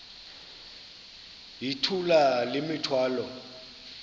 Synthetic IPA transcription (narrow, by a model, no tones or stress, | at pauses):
ɦitʰulalɪmɪtʰwaːlɔ